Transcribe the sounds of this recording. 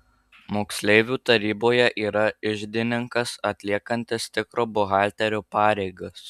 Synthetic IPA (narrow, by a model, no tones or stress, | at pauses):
moːksʲlʲɛɪʋʲuːt̪ɐɾʲiːboːjɛʔiːɾɐɪʒʲd̪ʲɪnʲɪŋkɐsɐt̪ʲlʲiɛkɐnʲt̪ʲɪst̪ʲɪkɾoːbʊɣɑːˑlʲt̪ʲɛɾʲoːpɑːɾʲɛɪɡɐs